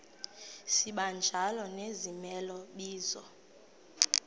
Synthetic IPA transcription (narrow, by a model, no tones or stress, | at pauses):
siɓand͡ʒʱalɔnezimɛlɔɓiːzɔ̰